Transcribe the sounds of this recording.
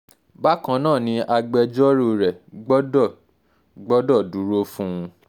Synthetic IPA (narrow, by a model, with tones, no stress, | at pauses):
ba˦kã˧˦nãː˦˨nĩ˧ʔa˧ɡ͡bɛ˧d͡ʒɔ˦ɾo˧ɾɛ˨ɡ͡bɔ˦dɔ˦˨ | ɡ͡bɔ˦dɔ˦˨du˨˦ɾo˦fũ˦ũ˧